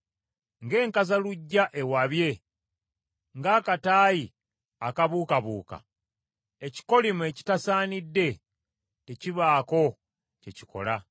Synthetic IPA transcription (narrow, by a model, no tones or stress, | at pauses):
ŋɡe̞ːŋkazaluɟːaʔe̞waβje̞ | ŋɡaːkataːji | akaβuːkaβuːka̰ | eci̥ko̞limue̞ːci̥tasaːnidːe̞ | teciβaːko̞ | ce̞ci̥ko̞̰la